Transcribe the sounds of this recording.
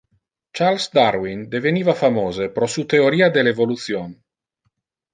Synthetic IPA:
t͡ʃalsd̪aɾwind̪eveniːvafamoːzepɾɔsut̪eoɾiːad̪elevolut̪sjon

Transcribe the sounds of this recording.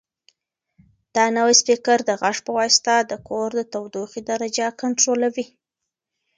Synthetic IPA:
d̪̥ɑnawajspikaɾd̪əɣaʂpəwɑst̪ad̪əkoɾd̪ət̪awd̪uxid̪aɾad͡ʒakaɳʈɾolawi

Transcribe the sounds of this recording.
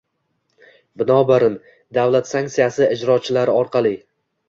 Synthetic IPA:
bɪnɒbaɾɪn | d̪avlˠat̪saŋk̪tsijasɪɪd͡ʒɾɒt͡ʃʰɪlaɾɪɒɾqʰɑlˠɪ

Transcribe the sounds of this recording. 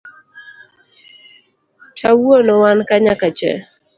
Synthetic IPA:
tʰawonɔwankaɲakat͡ʃɛ̰

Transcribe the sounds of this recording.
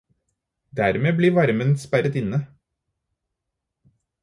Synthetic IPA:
d̪æːɾmeːbliːʋɑɾmənspæɾət̪ɪnə

